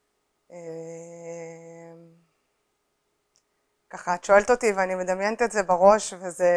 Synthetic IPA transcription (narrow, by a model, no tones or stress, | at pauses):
e | m | kaχaːt̪ʃo̞e̞lt̪o̞t̪iveanimed̪amjent̪etze̞baʁo̞ʃveze